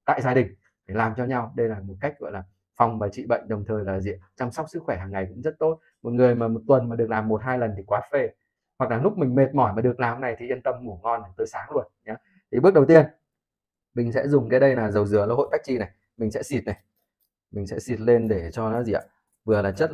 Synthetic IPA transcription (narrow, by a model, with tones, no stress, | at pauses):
t̪a̰ː˧˨jzaː˧ɗï˨˩ŋ̟ | t̪ʰi˨˩laː˨˩mt͡ɕɔ˧ɲa˧wɗə˧jlaː˨˩mo˨˩t̚ka˦˥k̟̚ɣɔ̰˧˨jlaː˨˩ | fa˨˧˩wŋ͡mvaː˨˩t͡ɕḭ˧˨ɓə̰˧˨jŋ̟ɗə˨˩wŋ͡mt̪ʰəː˨˩jlaː˨˩zḭ˧˨ət͡ɕɔ˧wŋ͡mswk͡p̚sɨ˦˥kxwɛ˧˩ɦaː˨˩ŋːa˨˩jkʊ̰˧˥ŋ͡mzə˦˥t̚t̪o˦˥t̚ | mo˨˩t̚ŋɨ˨˩əjmaː˨˩mo˨˩t̚t̪wə˨˩nmaː˨˩ɗɨ˨˩ək̚laː˨˩mːo˨˩t̚ɦaː˧jlə˨˩nt̪ʰi˨˩kwaː˨˦fe˧˩ | hwa˨˩k̚laː˨˩lʊ˦˥k͡p̚mï˨˩ŋ̟me˨˩t̚mɔ˧˩jmaː˨˩ɗɨ˨˩əklaː˨˩mna˨˩jt̪ʰi˨˩ʔi˧ənt̪ə˧mŋu˧˩ŋɔ˧na˨˩t̪oː˧jsaː˨˦lu˧˩ənɲa˨˦ | t̪ʰi˨˩ɓɨ˦˥k̚ɗə˨˩wt̪i˧ən | mï˨˩ŋ̟sɛ̰˧˥zʊ˨˩ŋ͡mkaː˨˦jɗə˧jnaː˨˩zə˨˩wzɨ˨˧˩ələ̰˧˦ho̰˧˨jt̪a˦˥k̚t͡ɕi˧na˨˩j | mï˨˩ŋ̟sɛ̰˧˥si˨˩t̚na˨˩j | mï˨˩ŋ̟sɛ̰˧˥si˨˩t̚le˧nɗe˧˩t͡ɕɔ˧nɔ˨˦zi˨˧˩ʔa̰ː˧˩ | vɨ˨˩əlaː˨˩t͡ɕə˦˥t̚